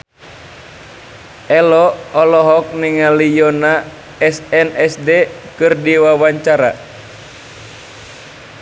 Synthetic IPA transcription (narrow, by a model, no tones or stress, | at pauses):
ʔɛlɔːlɔɦɔk̚niŋalijɔna | ɛsɛnɛsdekɨrdiwawaɲt͡ʃaɾa̰